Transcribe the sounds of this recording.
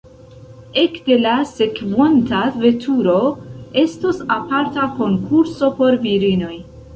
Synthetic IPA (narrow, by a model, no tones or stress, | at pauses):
e̞kde̞lase̞kvontave̞tʰuɾo̞e̞stosapaɾtako̞ŋkʰuɾso̞po̞ɾviɾino̞j